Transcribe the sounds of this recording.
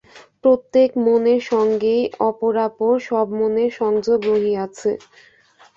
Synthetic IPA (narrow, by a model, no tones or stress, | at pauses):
pɾot̪ːekmoneɾʃɔŋɡejɔpoɾapoɾʃɔbmoneɾʃɔŋd͡ʑoɡɾoɦiat͡ɕʰe